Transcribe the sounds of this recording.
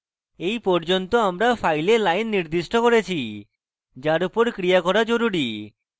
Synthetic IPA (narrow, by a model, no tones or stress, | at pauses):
ejpɔɾd͡ʒont̪oamɾapʰajlelajnːiɾd̪isʈɔkɔɾet͡ʃʰi | d͡ʒaɾupoɾkɾiakɔɾad͡ʒoɾuɾi